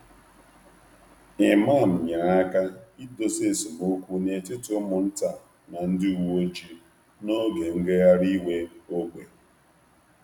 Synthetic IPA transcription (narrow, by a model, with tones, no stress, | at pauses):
ɪ˨ma˦˨m̩˨ɲa˨a˦ka˦i˦do˦˨se˦˨sʊ˨mo˦kʷu˦ne˨tɪ˦tʊ˦mʊ˨n̩˦ta˨ | na˨n̩˦dɪ˦u˨wo˦t͡ʃi˦ | no˦ɡe˨ŋ̩˦ɡe˦ɣa˦ɾi˦we˦o˦ɡʷe˨